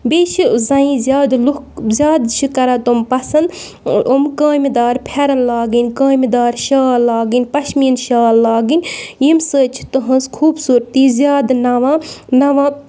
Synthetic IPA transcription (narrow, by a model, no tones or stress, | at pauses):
beːt͡ʃʰizɐĩzʲjaːd̪lu | zʲjaːd̪t͡ʃʰikɐɾaːt̪umpɐsɐnd̪ | ʔomkəːmʲid̪aːɾpʰeɾɐnlaːɡinʲkəːmʲd̪aːɾʃaːlːaːɡinʲpɐʃminʃaːlːaːɡinʲjimsəːt͡ʃʰi̥t̪ɨɦɐ̃nskʰuːbsuːɾt̪iːzʲjaːd̪nɐʋaːnɐʋãː